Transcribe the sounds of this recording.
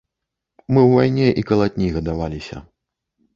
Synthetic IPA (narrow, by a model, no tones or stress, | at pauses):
mɨwvajnʲɛʔikɐlˠatʲnʲiɣɐd̪avalʲisʲɐ̰